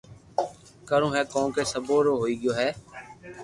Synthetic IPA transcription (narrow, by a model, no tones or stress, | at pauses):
kəɾõːɦɛːkɔ̃ːkeːsəboːɾoːɦoːiːɡɪjoːɦɛː